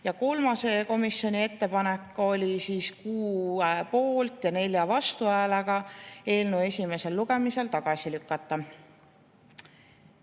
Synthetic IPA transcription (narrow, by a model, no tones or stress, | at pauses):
jɑko̞lmɑse̞ko̞misjo̞nʲie̞t̪ːe̞pɑne̞kːˑo̞lʲisiːskuːepo̞ːlt̪jɑne̞lʲjɑvɑst̪uæeleɡ̥ɑe̞ːlnue̞sʲime̞se̞lːuɡ̥e̞mise̞lt̪ɑɡ̥ɑsilykːɑt̪ːˑɑ